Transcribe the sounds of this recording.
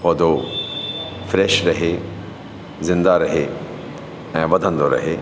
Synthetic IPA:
pɔːd̪ʱo | fɾɛːʃɾɐɦe | zɪ̃nd̪aɾɐɦe | ɛ̃ːʋɐd̪ʱə̃nd̪oɾɐ̰ɦeː

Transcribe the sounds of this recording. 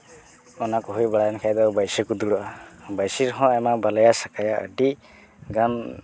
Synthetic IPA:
ɔnakɔɦujbaɽajnkʰajd̪awbajsikud̪uɽuʔabajsiɾɦɔ̃ajmabalajasakajaə̰di | ɡan

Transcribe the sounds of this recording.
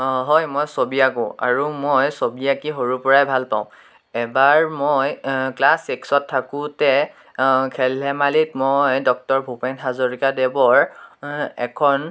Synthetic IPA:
ɦɔjmojsobiakʊ̃a̰ɹumojsobiakiɦoɹupɔɹajbʱalpaʊ̃ | ɛbaɹmojklaseksɔtʰːakʊ̃tɛ | kʰɛlɛmalit̚mojdɔk̚tɔɹbʱupɛnɦazoɹikadɛbɔɹ | ɛ̰kʰɔn

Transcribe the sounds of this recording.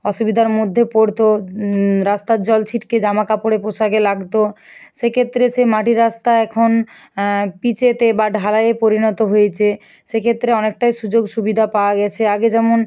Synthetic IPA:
ɔʃubid̪ʱaɾmod̪ʱːepoɽt̪o | ɾast̪ad͡ʑɔlt͡ɕʰiʈked͡ʑamakapoɽepoʃaɡelaɡt̪oʃekʰet̪ːɾeʃemaʈiɾast̪aɛkʰon | pit͡ɕet̪ebaɖʱalajepoɾinɔt̪oɦojet͡ɕʰe | ʃekʰet̪ːɾeɔnek̚ʈajʃud͡ʑoɡʃubid̪ʱapaoaɡɛt͡ɕʰeaɡed͡ʑɛmon

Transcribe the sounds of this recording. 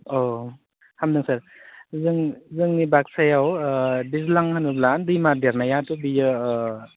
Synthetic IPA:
o | hamdɯŋsaɾ | zɯŋzɯŋnibak̚sajawdizlaŋhanɯblandɯjmadeɾnajatubijɯ

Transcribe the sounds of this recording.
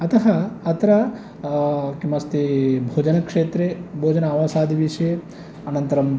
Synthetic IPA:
ɐt̪ɐɦɐɐt̪ɾɐ | kimɐst̪ibʱoːd͡ʒɐnɐkʂeːt̪ɾebʱoːd͡ʒɐnaːʋaːsaːd̪ʱiʋiʂje | ɐnɐnt̪ɐɾɐm

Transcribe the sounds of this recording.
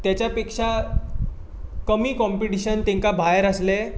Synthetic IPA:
t̪jat͡ɕjapekʂa | kəmiːkɔ̃mpiʈiɕənt̪ẽŋkabʱajəɾəsle

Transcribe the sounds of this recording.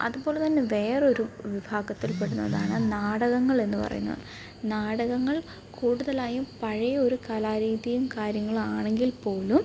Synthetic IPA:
ɐ̰ðupo̞ːlet̪ɐnːe̞ʋe̞ːreo̞ɾuʋibʱaːɡɐt̪ːilpe̞ɽunːɐ̰ðaːɳɨnaːɽɐɣɐŋːɐɭe̞nːupɐ̰rɐ̰jṵnːɐ̰ðɨ | naːɽɐɣɐŋːɐɭ | kuːɽuðɐlaːjumpɐɻɐjɐoɾukaːlaːɾiːðijumkaːɾjɐŋːɐɭaːɳe̞ŋɡilpo̞ːlum

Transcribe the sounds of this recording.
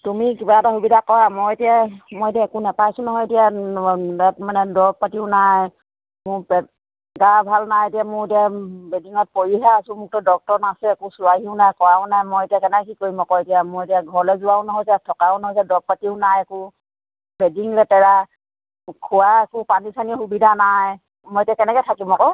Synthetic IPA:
tumikibaɛtaxubidʱakɔɹamojetijamojetiaɛkʊnɛpajsʊnɔɦɔjetijadɛatmanɛdɔɹɡ̚patiʊnaj | mʊpɛ | ɡabʱalnajetijamʊetiabediŋɔt̚poɹiɦaːsʊ̃mʊk̚tɔdɔk̚tɔɹnasɛɛkʊsʊwaɦiʊnajkɔɹaʊ̃najmojetiakɛnɛkkikoɹimɔkɔetijamʊetijaɡʱɔɹɔlɛzʊwaʊnɔɦɔjzɛtʰɔkaʊ̃nɔɦɔjzɛdɔk̚patiʊnajɛkʊ | bediŋlɛtɛɹa | kʰuwaɛkʊpanisanixubidʱanaj | mojetijakɛnɛkɛtʰakimɔkɔ

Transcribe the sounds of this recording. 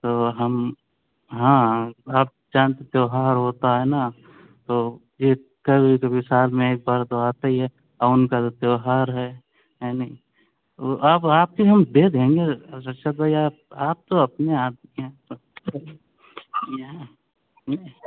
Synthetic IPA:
t̪oːɦɐm | ɦãːaːp̚d͡ʒaːnt̪et̪jeːɦaːɾɦoːt̪aɦɛna | t̪oː | je | kəbʱikəbʱisaːlmẽeːk̚baːɾt̪oaːt̪aiɦɛ | aʊnkat̪ot̪jeːɦaːɾɦɛ | jani | t̪oʔapaːp̚kiɦəmbeːd̪ʱɦẽŋɡesət͡ʃʰat̪aiaːp̚aːp̚t̪oɐpneaːd̪miɦɛ̃

